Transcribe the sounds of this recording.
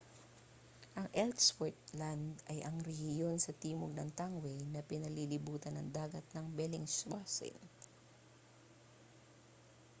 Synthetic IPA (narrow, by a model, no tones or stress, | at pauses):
ʔɐŋʔɛlt̪swɛɹt̪̚land̪ɐjʔɐŋɾɛhjonsɐt̪iːmoɡ̚nɐŋt̪aŋwɛjnɐpɪnɐlilɪbuːt̪ɐnɐŋd̪aːɡɐt̪̚nɐŋbɛlɪŋswasɪ̰n